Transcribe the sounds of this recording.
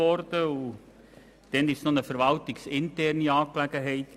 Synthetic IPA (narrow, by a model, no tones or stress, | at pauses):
ɔrdəu | d̥ɛnɪsnɔnəfəɾʋɑltɪksɪntɛrniɑːklæɡəɦɛɪt